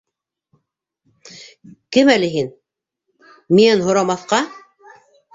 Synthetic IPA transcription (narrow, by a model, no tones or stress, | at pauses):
kɘmælɘɦin | miænɦŏɾɑmɑθqɑ